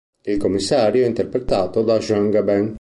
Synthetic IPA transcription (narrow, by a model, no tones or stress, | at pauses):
ilkomːisːaːɾjoɛint̪ɛɾpɾet̪aːt̪od̪aʒaŋɡabɛŋ